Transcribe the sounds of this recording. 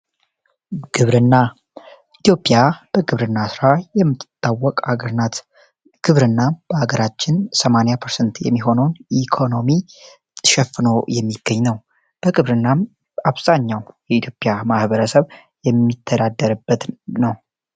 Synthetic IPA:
ɡ̥ɨβɾɨnːa | it̪jo̞pʼːjab̥əɡɨβɾɨnːasɨɾajɛmːɨt̪ːɨt̪ʼːawːɔkʼaɡəɾnat̪ | ɡ̥ɨβɾɨnːab̥əaɡəɾat͡ʃːɪnsəmanjapʰəɾsənt̪jɛ̰mːiɦo̞nəwnikʰo̞no̞mi | t̪ʰːɨ̥ʃɛfːɨno̞jɛmːiɡ̥ːəɲːnəw | b̥əɡɨβɾɨnːam | aβz̥aɲːawjɛit̪ʰjopʼjamahβəɾəsəβ | jɛmːit̪ʰːəd̪ad̪ːəɾɨbːət̪nəw

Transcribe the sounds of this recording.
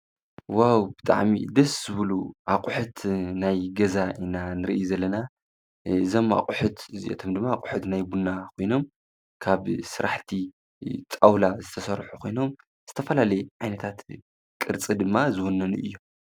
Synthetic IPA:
wawb̥ɨt̪ʼa̰ʕmḭd̪ɐszɨβɨluʔakʼʊħut̪najɡɐzainanɨɾḭʔijuzɐlːɐna | ɨzoma̰qʼʊħut̪ɨzḭʔḛt̪ʰomd̪ɨmːaqʼʊ̥ħut̪najbunːakʰo̞jno̞m | kʰaβsɨɾaħt̪ʰi | t͡sʼawlazɨt̪ʰɐsɐɾħukʰo̞jno̞m | z̥ɨt̪ʰɐfɐlalɐjʕajnɐt̪ʰat̪ | kʼɨɾt͡sʼid̪ɨmːazɨwonːɐnuʔɨjːom

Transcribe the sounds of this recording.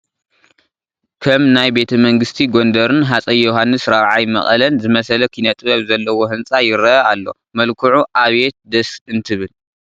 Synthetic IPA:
kʰɐmnajbe̞t̪ʰɐmɐŋɡɨst̪ʰiɡo̞nd̪ɐɾɨnɦat͡sʼɐjːoɦanːɨsɾaβʕajmɐ̰χʼɐ̰lɐnzɨmɐsɐlɐkʰinɐt̪ʼɨβɐβzɐlːɐwoɦɨnt͡sʼajɪɾɐalːo̞̰ | mɐlkʰuʕuʔaβet̪̚d̪ɐsɨnt̪ʰɨβɨl

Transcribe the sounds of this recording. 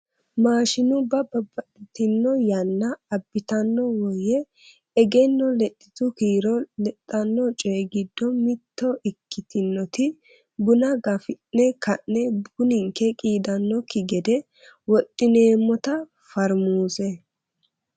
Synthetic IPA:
maːʃɪnʊbɐbɐbːɐtɪt̪ɪnːɔjɐnːɐɐbːɪt̪ɐnːɔwɔjɛː | ɡɛnːɔlɛt̪ʼːɪt̪ʊkiːɾɔlɛt̪ʼːɐnːɔt͡ʃʼɔːɡɪd̪ːɔmɪt̪ːɔʔɪkːɪt̪ɪnːɔt̪ɪ | bʊnɐɡɐfɪnːɛkɐnːɛbɡʊnɪŋkɛkʼiːd̪ɐnːɔkɪɡɛd̪ɛ | wɔt̪ʼːɪneːmːɔt̪ɐ | fɐɾmuːsɛ

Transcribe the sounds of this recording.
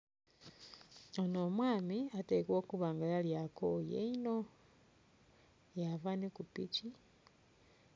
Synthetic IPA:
onomwaːmiatekwoːkuβaːŋɡalaljako̰jḛino̞ | javanekupḭci

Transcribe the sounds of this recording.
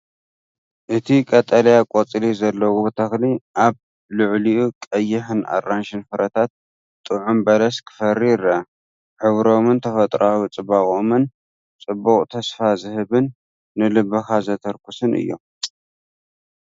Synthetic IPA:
ʔɨt̪ʰikʼɐt̪ʼːɐljakʼot͡sʼlizɐlːɐwut̪ʰɐxliʔaβ | lɨʕliʔukʼɐjːɪħɨnʔa̰rːanʃɨnfɨɾɐt̪ʰat̪̚ | t̪ʼɨʕumbɐlɐskʰɨ̥fɐɾiɾɐ | ħɨβɾo̞mɨnt̪ʰɐfɐt̪ʼɾawit͡sʼɨβaχʼomɨn | t͡sʼɨbːuχʼt̪ʰɐsfazɨhɨβɨnː | ɨlɨbɐxazɐt̪ʰɐɾkʰusɨnʔɨ̰jːo̞̰m

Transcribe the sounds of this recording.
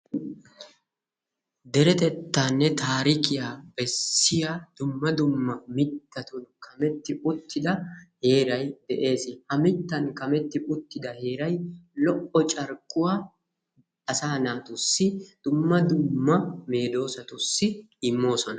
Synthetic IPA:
d̪ɛɾɛt̪ɛt̪ːaːnːɛt̪aːɾɪkɪjaːbɛsːɪjaːd̪̥ʊmːɐd̪ʊmːɐmɪt̪ːɐt̪ʊnkʰɐmɛt̪ːɪʔʊt̪ːɪd̪ɐhe̞ːɾɐjd̪̥ɛʔe̞ːsɪhɐmɪt̪ːɐnkɐmɛt̪ːɪʔʊt̪ːɪd̪ɐhe̞ːɾɐjlɔʔɔt͡ʃʼɐɾkʼːʊwaː | ɐsaːnaːt̪ʊsːɪd̪̥ʊmːɐd̪ʊmːɐme̞ːd̪o̞ːsɐt̪ʊsːɪ | ɪmːo̞ːsɔnɐ

